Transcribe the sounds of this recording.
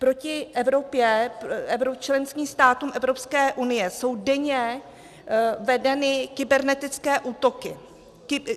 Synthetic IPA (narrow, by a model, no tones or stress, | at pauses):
pɾo̞cɪʔɛvɾo̞pjɛɛvɾot͡ʃlɛnskiːst̪aːt̪uːmʔɛvɾo̞pskɛːʔunɪjɛso̞wdɛɲɛ | vɛdɛnɪkɪbɛɾnɛt̪ɪt͡skɛːʔuːt̪o̞kɪ | kɪ